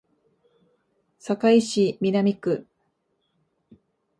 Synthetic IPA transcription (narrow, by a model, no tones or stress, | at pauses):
sakaiɕimʲinamʲikɯ̟